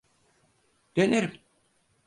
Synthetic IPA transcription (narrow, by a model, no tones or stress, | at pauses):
d̪̥eneɾim